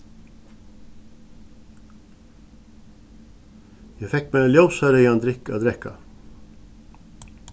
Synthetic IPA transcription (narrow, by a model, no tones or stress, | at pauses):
jæfɛk̚meːljoʊsœɾəjɑnd̪ɾɪko̰ːd̪ɾɛkɑ̰